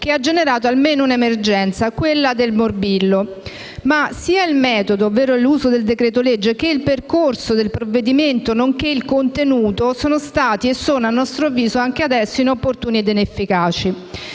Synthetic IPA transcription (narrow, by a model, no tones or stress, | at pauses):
k̟ead͡ʒːeneɾaːt̪oalmeːnounemerd͡ʒɛnt̪sakwelːad̪elmorbilːo | masiːailmɛːt̪od̪oːvːeːɾoɛlːuːzod̪eld̪ekɾeːt̪oled͡ʒːekeilperkorsod̪elpɾovːed̪iment̪onoŋk̟eilkont̪enuːt̪osoːnost̪aːt̪iesːoːnoanːɔst̪ɾoavːiːzoaŋk̟ead̪ɛsːoinopːort̪uːnied̪inefːikaːt͡ʃi